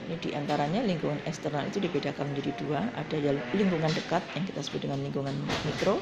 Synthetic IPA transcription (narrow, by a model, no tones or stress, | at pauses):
inidiʔant̪aɾaɲaliŋkuŋanɛkst̪ərnalḭt̪udibedakanməɲd͡ʒadiduaʔa̰d̥ajaliŋkuŋandəkat̪̚jaŋki̥t̪asə̥bʊt̪̚dəŋanliŋɡuŋanmikɾo